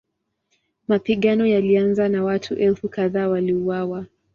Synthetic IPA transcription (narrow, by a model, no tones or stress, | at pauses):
mapiɠanɔjalianzanawatʰuʔɛlfukaðaːwaliuwawa